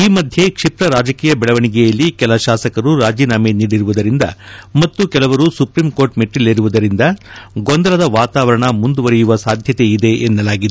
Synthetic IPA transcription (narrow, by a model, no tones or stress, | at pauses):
iːmɐd̪ʱje̞kʂipɾɐɾaːd͡ʒɐkiːjɐbɛɭɐʋɐɳiɡɛjɐlːikɛlɐʃaːsɐkɐɾuɾaːd͡ʒiːnaːmeniːɽiɾuʋud̪ɐɾind̪ɐ̰mɐt̪ːukɛlɐʋɐɾusupɾimkoːɾʈmeʈːilːeːɾuʋud̪ɐɾind̪ɐɡond̪ɐlɐd̪ɐʋaːt̪aːʋɐɾɐɳɐmund̪uʋɐɾɛjuʋɐsaːd̪ʱjɐt̪e̞id̪e̞ʔenːɐlaːɡid̪e